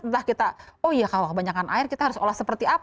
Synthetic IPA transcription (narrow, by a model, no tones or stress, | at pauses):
lahkit̪aojakalokəbaɲakanʔa̰ɪrkit̪aɦaɾʊsolahsəpərt̪iap